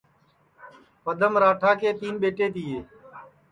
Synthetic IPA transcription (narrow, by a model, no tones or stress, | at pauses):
pəd̪ʱəmɾaːʈʰaːkeːt̪iːnɓeːʈeːt̪iːeː